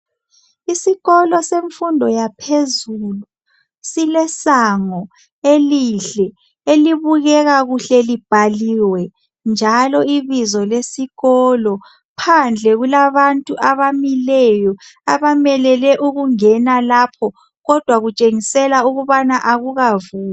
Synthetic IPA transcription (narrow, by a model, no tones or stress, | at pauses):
isiɣɔlɔseɱfundʱɔjapʰezuːlu | silɛsaŋɔ | eliɬɛ | eliβuɣɛɣaɣuɬɛlib̥ʱaliwɛ | nd͡ʒʱalɔiβizɔlesiɣɔlɔ | pʰand͡ɮʱɛɣulaβantʼuʔaβamilɛjɔaβamɛlɛlɛʔuɣuŋɛnalapʰɔ | ɣɔd̥ʱwaɣut͡ʃʼeŋisɛlauɣuβanaʔaɣuɣavuːa